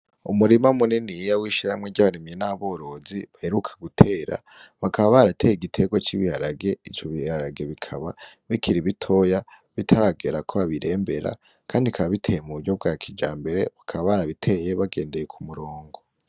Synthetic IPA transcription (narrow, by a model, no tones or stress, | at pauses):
umuɾimamuninijawiːʃiɾaamŋweɟaβaɾimjenaβo̞ːɾo̞ziβaheɾukʰḁɡutʰe̞ːɾa̰ | βakaβaβaɾatʰe̞jeɡitʰeɡwat͡ʃiβihaɾaɡe̞it͡ʃoβihaɾaɡe̞βikʰaβa | βikʰiɾiβitʰo̞ja | βitʰaɾaɡeɾakʰo̞βaβiɾʔe̞ːmbe̞ɾa̰ | kʰaːndikʰaβaβitʰe̞jemuβuɾɟo̞β̚ɡakʰid͡ʒaːmbe̞ɾe̞̰βakʰaβaβaɾaβitʰe̞je̞βaɡe̞ːnde̞jekʰumuɾoːŋɡo̞